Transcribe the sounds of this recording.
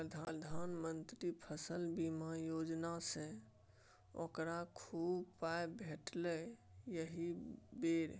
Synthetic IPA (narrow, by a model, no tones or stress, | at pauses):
pɾəd̪ʱad̪ʱanmənt̪ɾipʰəsəlbimajod͡ʒnasẽ | o̰kɾakʰubpaebʱeʈlɛjəɦibeɾ